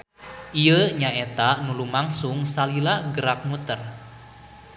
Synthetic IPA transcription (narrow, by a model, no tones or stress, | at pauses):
ʔijəɲaɛt̪anulumaŋsuŋsalilaɡəɾak̚mut̪ər